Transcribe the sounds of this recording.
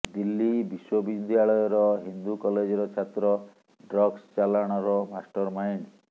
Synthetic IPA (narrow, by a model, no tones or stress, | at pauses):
d̪ilːibiswobind̪ʱjaɭɔjɔɾɔɦind̪ukɔled͡ʒɔɾɔt͡ʃʰat̪ɾɔ | ɖɾɔɡst͡ʃalaɽ̃ɔɾɔmasʈɔɾmajn